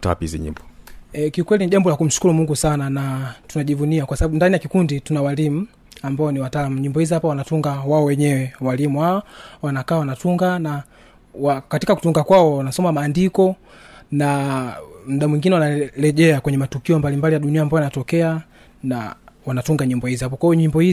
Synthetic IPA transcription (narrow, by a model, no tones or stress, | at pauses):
ta̰pizḭɲḭmbɔkiukwɛliniʄambɔlakum̩ʃu̥kulumuŋɡusananatunaʄivuniakwasaɓaɓundanijakikunditunawalim̩ | ambaɔniwataːlamuɲimbɔhizihapawanatuŋɡawaɔwɛɲɛwɛwalimuwaɔwanakaːwanatuŋɡana | wakatikaku̥tuŋɡakwaɔwanasɔmamaːndikɔ | na | m̩ɗamwiŋɡinɛwanalɛʄɛakwɛɲɛmatukiɔmbalimbalijaɗuniaːmbaɔjanatɔkɛa | na̰wanatuŋɡaɲimbɔhizhap̬ɔkwajɔɲimbɔhi